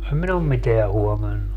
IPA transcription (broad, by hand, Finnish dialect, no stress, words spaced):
em min om miteæ huomɑnːu